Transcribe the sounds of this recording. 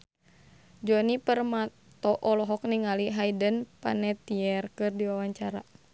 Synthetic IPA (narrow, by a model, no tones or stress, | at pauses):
d͡ʒɔnipərma | tt̪ɔʔɔlɔɦɔk̚niŋaliɦaidənpa̰nɛt̪iɛrkɨrdiwawaɲt͡ʃaɾa